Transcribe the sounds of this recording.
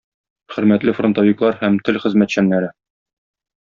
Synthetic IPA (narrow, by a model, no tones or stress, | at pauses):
χɵ̆ɾmæt̪lɘfrŏnt̪oviklˠɑɾhæmt̪ɘlχɘ̆zmæt̪ɕænːæɾɘ